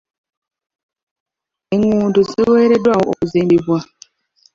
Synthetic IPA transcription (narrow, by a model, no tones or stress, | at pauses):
eŋuːnduziweːɾedwawooβuzimbibwa